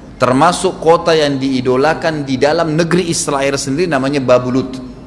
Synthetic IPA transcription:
t̪ərmasʊkːot̪ajaŋdiːdolakandidalamnəɡɾiːst̪ɾaɪrsəndiɾinamaɲababulʊt̪

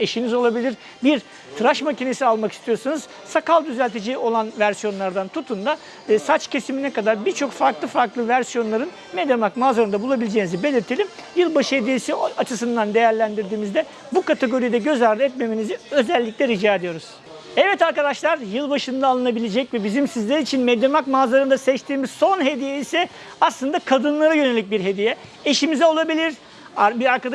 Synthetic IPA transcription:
e̞ʃinizo̞lˠabilʲiɾ | biɾ | t̪ʰɯɾaʃmacine̞sialˠmaki̥st̪ʰijo̞ɾsunuz̥ | sakalˠd̪yzælʲt̪ʰe̞d͡ʒio̞lˠanvæɾsijo̞nlˠaɾd̪ant̪ʰut̪ʰund̪a | vɛsat͡ʃcʰe̞siminɛkad̪aɾbiɾt͡ʃʰo̞kfaɾklˠɯfaɾklˠɯvæɾsijo̞nlˠaɾɯn | med̪jamlˠakmaːzaɾɯnd̪abulˠabilʲed͡ʒeːnizibe̞lʲiɾt̪ʰelʲimjɯlˠbaʃɯed̪elʲisiat͡ʃʰɯs̬ɯnd̪and̪e̞jæɾlʲænd̪iɾd̪iːmizd̪ɛ | bukat̪ʰe̞ɡo̞ɾijd̪ɛɟø̞zaɾd̪ɯɛt̪̚me̞miniziø̞zɛlʲːiclʲɛɾid͡ʒaːed̪ijo̞ɾuz̥ | ɛvɛt̪aɾkad̪aʃlˠaɾjɯlˠbaʃɯnd̪aːlˠɯnabilʲed͡ʒɛcvɛbizimsizlʲeɾiːt͡ʃʰinmed̪emakmazlˠaɾɯnd̪asɛt͡ʃt̪ʰiːmiz̥so̞nɦe̞d̪ijeisɛ | aslˠɯnd̪akʰad̪ɯnlˠaɾajø̞ne̞lʲic̚biɾɦe̞d̪ijɛeʃimizɛo̞lˠabilʲiɾ̥ | abiɾaɾkad̪a

